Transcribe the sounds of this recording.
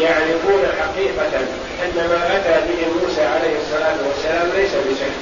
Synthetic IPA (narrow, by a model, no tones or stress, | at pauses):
jaʕlɪfuːnaħaqiːqɑ | ʔanːamaːʔak̪aɾbɪɦɪmuːsaːʕalajhɪsˤːɑlaːt̪wasːalaːmlajsabɪʃakː